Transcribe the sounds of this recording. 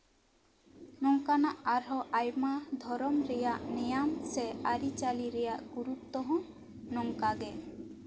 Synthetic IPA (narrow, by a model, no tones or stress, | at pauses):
nɔŋkanaʔaɾɦɔʔajmad̪ʱɔɾɔmɾɛjaʔnɛjamsɛaɾit͡ʃaliɾɛjaʔɡuɾutt̪ːɔɦɔ̃ | nɔŋkaɡɛ